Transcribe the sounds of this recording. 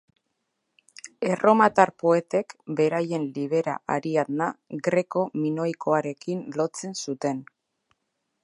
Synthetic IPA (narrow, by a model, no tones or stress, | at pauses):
e̞ro̞mat̪aɾpo̞e̞t̪e̞kbe̞ɾaje̞nliβ̞e̞ɾa̰ʔaɾiaðnaɡɾe̞ko̞mino̞iko̞aɾe̞kinlo̞t͡se̞nsut̪e̞n